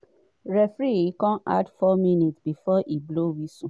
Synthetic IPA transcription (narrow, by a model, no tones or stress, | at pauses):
ɾɛfɾikɔ̃na̰dfɔmĩnitsbifɔʔiblowisũ